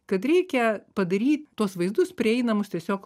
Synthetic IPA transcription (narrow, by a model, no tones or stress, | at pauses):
kɐt̪ɾʲɛɪkʲɛpɐd̪ɐɾʲiːt̪ʲt̪uɔsʋɐɪzd̪ʊspʲɾʲɪɛɪnɐmʊst̪ʲiɛsʲoːk